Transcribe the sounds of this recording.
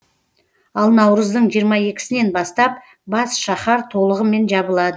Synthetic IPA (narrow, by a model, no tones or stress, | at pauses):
ɑlˠnɑwɾəzd̪əɴʒijəɾmɑe̞kʲɪ̥sɪne̞nbɑst̪ɑp̚ | bɑsʃɑχɑɾt̪ʰo̞lˠəʁəme̞nʒɑbəlˠɑd̪ə